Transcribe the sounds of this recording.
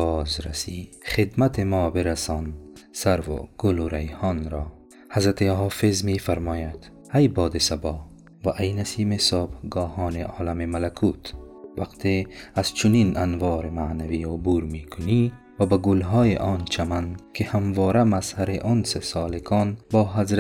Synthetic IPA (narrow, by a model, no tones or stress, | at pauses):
bɔːzɾa̰siχed̪mat̪ʰemɔːbeɾasɔnsaɾvo̰ɡ̥ʊluɾajhɔːnɾɔː | hazɾat̪eɦɔːfezmifaɾmɔːjad̪̥ | hajbɒːd̪esabɔː | vaʔajnasiːmesobɡɒːhɔːneʔɒːlamemalakʰuːt̪vaqt̪ʰeaz̥t͡ʃʰuninanvɒːɾemaʕnaviːubuːɾmiːkʰʊni | vabaɡʊlɦɔːjeʔɒːnt͡ʃʰamankʰihamvɔːɾamashaɾeʔonsesɒːlekʰɔːnbɒːɦazɾ